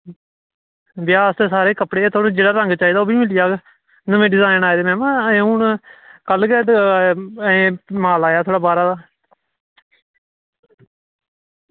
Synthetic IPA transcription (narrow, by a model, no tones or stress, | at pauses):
ʋjaːst̪eːsaːɾeːkəpɽeːt̪ʰoːɽẽd͡ʒeːɽaːɾə̃ŋɡt͡ʃaːiːd̪aoːbiːmɪlɪjaːɡ | nəmẽːɖɪzaːɪnaːeːd̪eːmɛ̃ːmãːũːnkəlɡɛːd̪ː | maːlaːjaːt̪ʰoːɽaːbaːɾaːd̪aː